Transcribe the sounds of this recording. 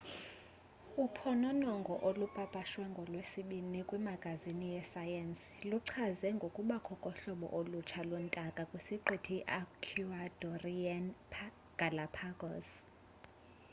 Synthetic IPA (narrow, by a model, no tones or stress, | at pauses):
upʰɔnɔnɔŋɡʱɔʔolupʼapʼaʃwɛŋɡʱɔlwesiɓinikʼwɛmaɡ̥ʱazinijɛsajɛnsʼ | luǀʰazɛŋɡʱokʼuɓakʰɔkʼɔɬɔɓɔ̰ʔolut͡ʃʰalɔntʼakʼakʼwisiǀetʰiʔakʰuadʼɔrianp | ɡ̥ʱalapʰaɡʼɔs